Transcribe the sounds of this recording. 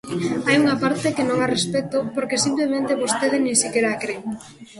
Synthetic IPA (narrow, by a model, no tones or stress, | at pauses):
ajuŋapaɾt̪ekenõŋarespet̪ʊpoɾkesimplemẽnt̪eβost̪eð̞ɪnĩŋsikeɾaːkɾeŋ